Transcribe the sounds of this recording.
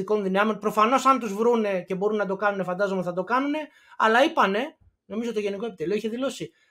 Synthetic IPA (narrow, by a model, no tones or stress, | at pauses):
iko̞nðinɐmo̞npɾo̞fɐno̞sɐnt̪uzvɾune̞ce̞bo̞ɾunnɐt̪̬o̞kɐnune̞fɐnd̪ɐzomt̪iθɐt̪o̞kɐnune̞ | ɐ̰lɐipɐne̞ | no̞mizot̪oʝe̞nikoepit̪e̞lio̞içeðilo̞si